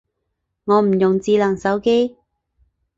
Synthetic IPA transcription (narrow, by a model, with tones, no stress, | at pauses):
ŋɔː˨˧m̩˨˩jʊ˨˩ŋt͡siː˧lɐ˨˩ŋsɐ˨˥wke˥j